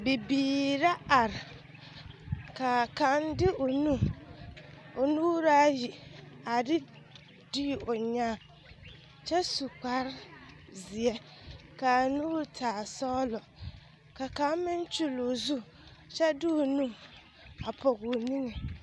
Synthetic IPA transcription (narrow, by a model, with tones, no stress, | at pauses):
bi˨biː˨ɾa˦a˨ɾɪ˨ | ka˨ka˨n˦dɪ˦ʔʊ˨nu˦ | ʊ˨nuː˦ɾa˦ji˨a˨ɾɪ˦ | di˦˨ʊ˨ɲaː˦˨ | t͡ʃɛ˦su˨k͡pa˦ɾzɪ˨ɛ˦ka˨nuː˦ɾtʰaː˨sɔ˦lɔ˨ | ka˨ka˨˦mɪ˦n˦t͡ʃu˦lo˨zu˦ | t͡ʃɛ˦dɪ˦o˨nu˦ | a˨pʰɔ˨ɣʊ˨ni˦ŋe˨